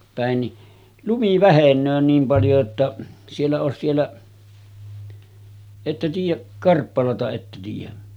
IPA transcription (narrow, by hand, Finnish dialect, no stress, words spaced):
pæˑen ni lumi ʋæhenˑøː niːm pɑljo etːæ sielːæ oˑes sielːæ etːæ tiːjˑæʔ kɑrpːɑlɑtɑ etːæ tiːjˑæ